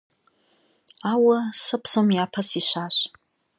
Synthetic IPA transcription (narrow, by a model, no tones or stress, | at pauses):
awasɨpʰsomjapʰasiʃʷaʃʷ